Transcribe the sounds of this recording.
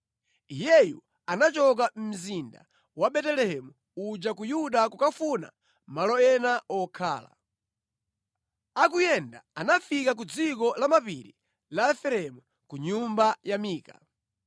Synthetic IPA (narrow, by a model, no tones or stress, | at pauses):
ijɛjṵ | anat͡ʃɔk̬am̩zinda̰ | waɓɛtɛlɛhɛmu | ud͡ʒakujuɗakukafuna̰ | malɔɛnaɔkʰa̰ːla̰ | akujɛndaanafikak̬ud͡zikɔlamapḭɾi | laɛfɛɾɛmu | kuɲumbajamiːka̰